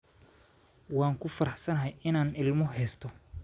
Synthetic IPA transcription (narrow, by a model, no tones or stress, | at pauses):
wɑːŋkʰʊfɐɾɐħsɐnɐɦɐjɪnaːnɪlmɔɦɛːst̪ʰɔ